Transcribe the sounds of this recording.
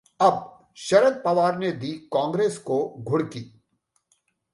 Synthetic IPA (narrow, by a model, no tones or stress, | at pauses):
ɐb̚ | ʃɐɾəd̪̚pɐʋaːɾned̪iːkãːŋɡɾeːskoɡʱʊɽkiː